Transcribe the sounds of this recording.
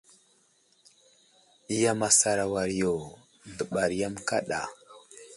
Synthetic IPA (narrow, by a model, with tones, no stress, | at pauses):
i˦ja˦ma˨sa˨ɾa˨wa˨ɾi˨jo˨ | də˨ɓa˨ɾi˨ja˦mka̰˦ɗa̰˨